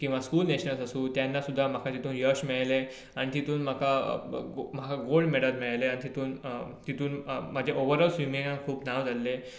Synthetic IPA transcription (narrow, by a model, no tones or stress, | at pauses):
kĩw̃ʋaskuːlneɕnəlsasuːt̪janːasud̪ʱːam̤akʰat̪it̪uːnjəɕmeɭle | aɽ̃it̪it̪uːnm̤akʰa̰om̤akʰaɡolɖmeɽəlmeɭleanit̪it̪uːnt̪it̪uːnməd͡ʑʱeʔoʋəɾɔlsʋimenəkʰuːpnaʋd͡zalːe